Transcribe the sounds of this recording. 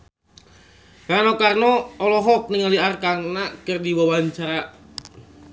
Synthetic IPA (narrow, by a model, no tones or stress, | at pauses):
karnokarnɔːlɔɦɔk̚nɪŋaliarkanakərdiwawaɲt͡ʃaɾa